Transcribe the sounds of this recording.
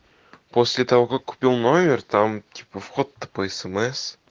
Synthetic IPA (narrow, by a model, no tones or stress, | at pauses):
pʰosʲlʲet̪awəkakkʲʰːʊ̥pʲilˠnomʲert̪amt̪ʲʰi̥pəfχot̪ːə̥pəesemes